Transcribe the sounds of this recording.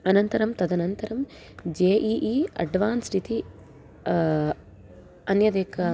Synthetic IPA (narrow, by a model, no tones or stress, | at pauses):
ɐnɐnt̪ɐɾɐmt̪ɐd̪ɐnɐnt̪ɐɾɐm | d͡ʒeːʔiːʔiːɐ̰ɖʋaːnsɾit̪i | ɐnjɐd̪eːkɐ